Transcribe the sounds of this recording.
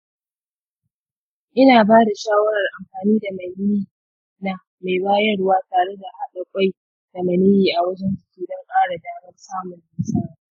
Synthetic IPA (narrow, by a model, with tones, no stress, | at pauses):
ʔɪ˦naː˨baː˦da˨ʃaː˦wɐ˦ɽɐ˨rʔa˨mɸaː˨niː˦da˨ma˨ji˦˨ | na˨ | ma˨jbaː˦jɐ˦rwaː˦taː˨ɽe˦da˨ʔa˨ɗɐ˦kʷʼa˦j | d̥a˨mɐ˨niː˦jiː˨ʔa˨wɐ˦d͡ʒɛ˦nd͡ʒɪ̥˦kʲiː˨dɔ˦ŋkʼaː˦ɽa˨daː˦mɐ˦rsaː˦mʊ˨nːɪ˦saː˦ɾa˨